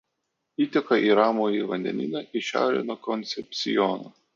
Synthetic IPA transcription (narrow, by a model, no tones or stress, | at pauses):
iːt̪ʲɛkɐʔiːɾɑːmoːiʋɐnʲd̪ʲɛ̰nʲɪ̰nʲɐʔɪʃʲæ̰ˑʊɾʲḛːnoːkɔnʲt̪sʲɛpʲt̪sʲɪ̰jɔno̰ː